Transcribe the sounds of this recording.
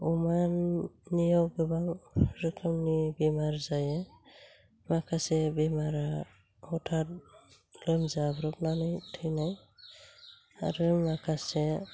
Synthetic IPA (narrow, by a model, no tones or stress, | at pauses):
umanːijɔɡɯbaŋɾɯkʰɯmnibimaɾzajɛ | makʰasɛbimaɾa | ɔtʰat̚ | lɔmzabɾɔp̚nanɯjtʰɯjnaj | a̰ɾɯmakʰasɛ